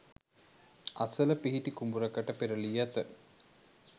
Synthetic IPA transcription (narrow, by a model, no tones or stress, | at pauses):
ɐsɐlɐpiɦiʈikumbuɾɐkɐʈəpeɾɐlijat̪ə